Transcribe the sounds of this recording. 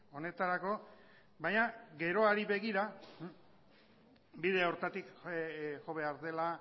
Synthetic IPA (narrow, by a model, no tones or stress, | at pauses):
o̞ne̞t̪aɾako̞ | bajɲaɡe̞ɾo̞aɾiβe̞ɣiɾa | biðeaoɾt̪at̪ik | ʝo̞βe̞aɾðe̞la